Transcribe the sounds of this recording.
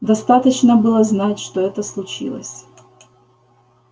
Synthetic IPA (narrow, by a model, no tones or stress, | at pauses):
d̪ɐst̪at̪ət͡ɕnəbɨlˠəznatʲʂt̪oɛt̪əslˠʊt͡ɕḭlˠə̰sʲ